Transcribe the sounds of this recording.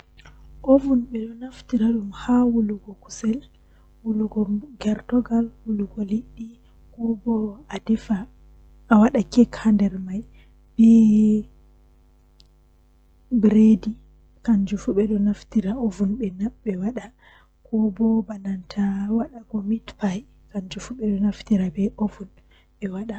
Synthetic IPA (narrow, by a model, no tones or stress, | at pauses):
ʔovunɓɛɗɔnaftiɾaɗumhawuluɡɔku̥sɛl | wuluɡɔɡɛɾtɔɡalwuluɡɔliɗːi | kɔbɔadɛfa | awaɗakɛkʰandɛɾmaj | b̥ɛ | bɾedi | kand͡ʒufuɓɛɗɔnaftiɾaovunɓɛnabɛwaɗa | kɔbɔbanantʰawaɗaɡɔmitpaj | kand͡ʒufuɓɛɗɔnaftiɾabɛʔovun | ɓɛwaɗa